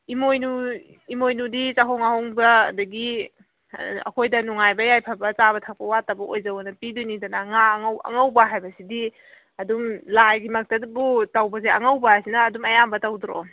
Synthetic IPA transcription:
imojnu | imojnudit͡ʃaɦɔŋahoŋbɐːdɐɡi | ɐ̰kʰojdɐnuŋajbɐjajpʰɐbɐt͡ʃaβɐtʰak̚pɐwatɐbɐʔojzawɐnɐpidunidɐnaŋaŋwɐ̰ŋawbɐɦajbɐsidi | ɐdumlajɡimɐk̚tɐdbutawbɐzeɐŋawbɐsinɐːdumɐjambɐtawdɾo̰

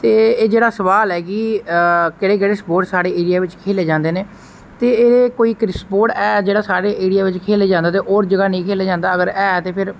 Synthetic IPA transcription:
t̪eːeːd͡ʒeːɽaːsəʋaːlɦɛːɡiːkɪɽeːk̬eːɽeːspoːʈsaːɽeːeːɽɪjaːʋɪt͡ʃkʰeːleːd͡ʒãːnd̪eːneː | t̪eːeːeːkoːiːkɾɪspoːʈɛːd͡ʒeːɽaːsaːɽeːʔeːɽɪjaːʋɪt͡ʃkʰeːleːd͡ʒãːnd̪aːt̪eːʔoːɾd͡ʒəɡaːnəĩːkʰeːleːd͡ʒãːnd̪aːəɡəɾɛːt̪eːpʰɪɾ

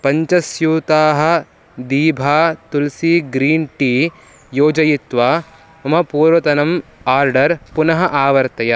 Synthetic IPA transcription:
pɐɲt͡ʃɐsjuːt̪aːɦɐ̆ | d̪iːbʱaːt̪ulsiːɡɾiːɳʈiː | joːd͡ʒɐjit̪ʋaː | ɐmɐpuːɾʋɐt̪ɐnɐmaːɾɖɐɾpunɐɦɐʔaːʋɐɾt̪ɐjɐ

